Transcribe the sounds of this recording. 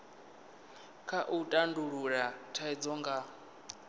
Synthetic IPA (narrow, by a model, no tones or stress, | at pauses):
kʰaʔutʼanduɺuɺatʰaid͡zɔŋɡa